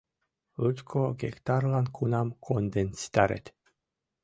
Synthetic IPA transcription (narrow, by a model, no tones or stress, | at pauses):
ɨt̪kʰoɡḛkt̪aɾlankʰunamkʰond̪ensi̥t̪aɾḛt̪ʲ